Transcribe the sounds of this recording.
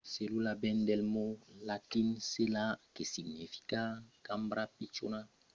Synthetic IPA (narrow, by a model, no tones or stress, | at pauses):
selulabɛndɛlmolatinselakesiɡnifi̥kakambɾapit͡ʃona